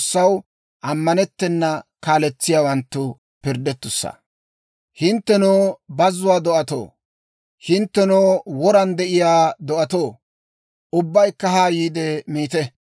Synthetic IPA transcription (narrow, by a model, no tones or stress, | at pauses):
sːɐw | ʔɐmːɐnɛt̪ːɛnːɐkaːlɛt͡sːɪjaːwɐnt̪ːʊ | pɪɾd̪ɛt̪ːʊsːɐ̰ | hɪnt̪ːɛnoːbɐzːʊwaːd̪ɔʔɐt̪o̰ː | hɪnt̪ːɛnoːwɔɾɐnd̪ɛʔɪjaːd̪ɔʔɐt̪oː | ʔʊbːɐjkːɐɦaːjiːd̪ɛmiːt̪ɛ